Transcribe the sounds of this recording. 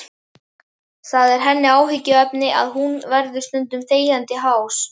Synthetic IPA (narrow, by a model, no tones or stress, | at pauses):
θaðɛɾ̥ɦɛnːɪaːwɦɪcːɪœpnɪʔa̰ðɦunvɛɾðʏ̥st̪ʏnt̪ʏmθeːjant̪ɪɦaws